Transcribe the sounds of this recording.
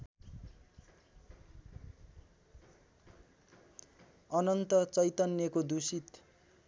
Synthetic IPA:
ʌnʌnt̪ʌt͡sʌjt̪ʌnjʌkod̪usit̪

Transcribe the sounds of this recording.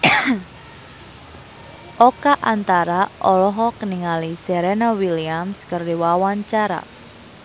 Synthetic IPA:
ʔɔkaʔant̪aɾaʔɔlɔɦɔkəniŋalisɛɾɛnawiliamskərdiwawaɲt͡ʃaɾa̰

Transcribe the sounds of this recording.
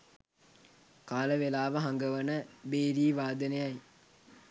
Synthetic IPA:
kaːləʋelaːʋəɦaŋɡəʋənəbeːɾiːʋaːd̪ənejaj

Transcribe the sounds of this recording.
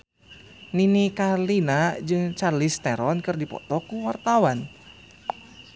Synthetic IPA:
ninikalinad͡ʒɨŋt͡ʃarlist̪ɛɾɔnkɨrdipɔ̰t̪ɔkuwart̪awan

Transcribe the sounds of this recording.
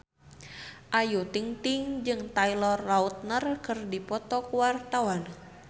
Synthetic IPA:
ʔajut̪iŋt̪ɪŋd͡ʒɨŋt̪ailɔrlaut̪̚nərkɨrdipɔt̪ɔkuwart̪awan

